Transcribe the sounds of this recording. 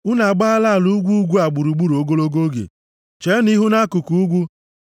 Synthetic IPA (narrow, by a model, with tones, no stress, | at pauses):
u˦na˨ɡ͡ba˦la˦˨lu˦ɡʷu˦ɡʷu˦a˨ɡ͡bu˨ɾu˨ɡ͡bu˦ɾo˨ɡo˦lo˦ɡo˦ɡḛ˨ | t͡ʃe˨˦ni˦ɦu˦na˦ku˨ku˨u˦ɡʷu˦